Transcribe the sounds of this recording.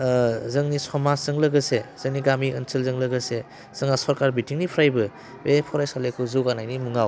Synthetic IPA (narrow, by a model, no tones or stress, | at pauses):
zɯŋnisɔmazɯŋlɐɡɯsez̥ɯŋniɡamiʔənsʰɯlzɯŋlɐɡəse | z̥ɯŋasɔɾkaɾbitʰiŋnipʰɾajbɯ | bepʰɔɾajsalekʰuzɯwɡanajnimuŋaw